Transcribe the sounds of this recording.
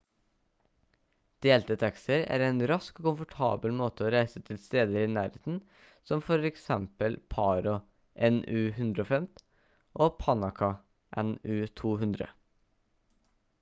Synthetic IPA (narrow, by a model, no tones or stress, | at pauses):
d̪̥eːlt̪ət̪ʰɛksəɾæ̰ːɾeːnɾɑskkʊmfʊʈʰɑ̰ːbəlmoːt̪əoːɾæɪsət̪ʰɪlst̪eːd̪əɾiːnæːɾheːt̪n̩ | sɔmfɔɾɛksɛmpəlpʰɑːɾɔ | ʔɛnʉːhʉnd̪ɾəoːfɛmt̪ | ʔoːpʰɑnɑkʰɑ | ʔɛnʉːt̪ʰuːhʉnd̪ɾə̰